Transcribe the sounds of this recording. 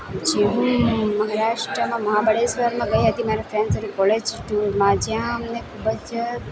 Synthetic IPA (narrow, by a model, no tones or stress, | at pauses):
d͡ʒeɦũmɐɦaɾaːʃʈɾəmãmɐɦabəɽesʋəɾmãɡɐiɦɐt̪imaːɾefɾɛ̃ːnsɐɾukɔled͡ʒʈuɾmãd͡ʒjãmnekʰuːbəd͡ʒ